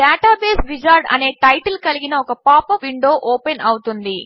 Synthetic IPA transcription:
ɖaːʈaːbeːsɾid͡ʒaːɾɖɐ̰ne̞ːʈɐjʈɐlkɐliɡinɐɔkɐpaːpɐʋiɳɖo̞ːʔoːpenɐwut̪und̪i

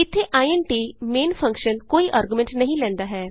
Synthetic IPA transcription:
ɪt̪ʰːeːʔaːiɛnʈiːmeːnpʰə̃ŋkʃənkoːiːʔaːɾɡumɛ̃ɳʈnəɦĩːlɛ̃ːnd̪aːɦɛː

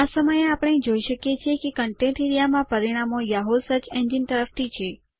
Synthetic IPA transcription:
asəməjeapəɽ̃ed͡ʒoiʃəkjet͡ʃʰekekəɳʈẽʈeɾijamãpəɾiɽ̃amojaɦosət͡ʃẽnd͡ʒint̪əɾəft̪ʰit͡ʃʰe

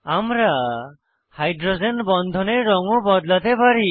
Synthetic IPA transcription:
amɾa | hajdɾozenbɔnd̪ʱɔneɾɔŋɔbɔd̪lat̪ebaɾi

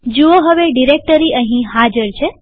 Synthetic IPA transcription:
d͡ʒuoɦəʋeɖiɾek̚ʈəɾiəɦĩɦad͡ʒəɾt͡ʃʰe

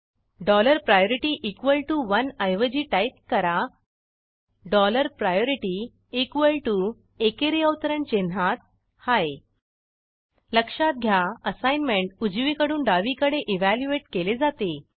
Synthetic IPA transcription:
ɖɔləɾpɾajoɾiʈiːʔikʋəlʈuʋənajʋəd͡ʑiːʈajp̪̚kəɾa | ɖɔləɾpɾajoɾiʈi | ikʋəlʈu | ekeɾeəwt̪əɾəɳt͡ɕen̤at̪̚ | haj | ləkʂat̪̚ɡʱjaəsajnmeɳʈud͡ʑʋikəɽuːnɖaʋikəɽeʔiʋæljueʈkeled͡zat̪e

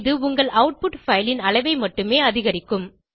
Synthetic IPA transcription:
ðɯʊŋɡɐɭɐʊʈ̚pʊʈfɐjlɪnɐɭɐɪʋɐɪmɐʈːɯmeːɐðɪɣɐɾɪkːɯm

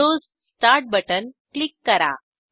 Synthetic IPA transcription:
oːs | sʈaɾʈ̚bəʈənklikːəɾa̰

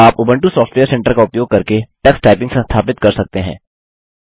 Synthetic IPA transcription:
aːpʊbə̃ɳʈusɔːfʈʋejəɾsɛ̃ɳʈəɾkaʊpjoːɡ̚kɐɾkeʈɛksʈaːɪpɪ̃ŋɡsẽst̪ʰaːpɪt̪̚kɐɾsɐk̚t̪eɦɛ̰̃ː

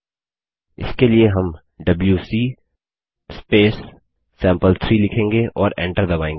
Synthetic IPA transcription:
ɪ̰skelieɦɐm | ɖɐbljusiː | speːsː | ɛ̃ːmpəlt̪ʰɾiːlɪkʰẽːŋɡeʔɔːɾɛ̰̃ːɳʈəɾd̪ɐbaːẽːŋɡe

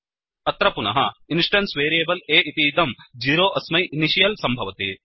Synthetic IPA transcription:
ɐt̪ɾɐpunɐ̰ɦɐinsʈɐnsʋeːɾieːbɐleːit̪iːd̪ɐmd͡ʒiːɾoːʔɐsmɐjiniʃijɐlsɐmbʱɐʋɐt̪i

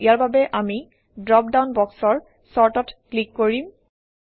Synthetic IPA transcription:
ijaɹbabɛʔami | dɹɔp̚dawnbɔksɔɹ | sɔɹtɔtklikːoɹim

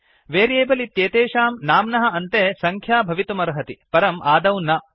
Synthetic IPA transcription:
ʋeːɾeːbɐlit̪jeːt̪eːʂaːmnaːmnɐɦɐ̆ɐnt̪eːsɐŋkʰjaːbʱɐʋit̪umɐɾɐɦɐt̪ipɐɾɐmʔaːd̪ɐwnɐ

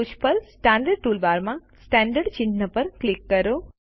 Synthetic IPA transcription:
ut͡ʃpəɾsʈãːɳɖəɾɖ̚ʈuːlbaːɾmãsʈãːɳɖəɾɖt͡ɕĩnd̪nəpɐɾklikːɐɾoː

